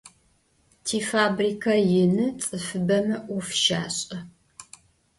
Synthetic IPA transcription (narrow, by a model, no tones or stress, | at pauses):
tʰiːfaːbriːkʰɐjɪnɨt͡sʼɨfɨbɐmɨʔʷɔfʃa̰ːɕʼɐ